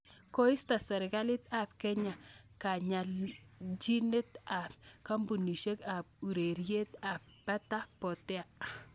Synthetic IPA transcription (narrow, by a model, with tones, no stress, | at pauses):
ko˦i˦sta˨sɛ˨ɾɪ˨ɡa˦lɪ˦ta˨pkɛ˦ɲa˨ka˨ɲa˨lt͡ʃi˦ne˦ta˨p̚ka˦mbu˨ni˨ʃe˦ka˨p̚u˨ɾe˨ɾje˦ta˨p̚pa˦ta˦pɔ˨tɛ˦a˨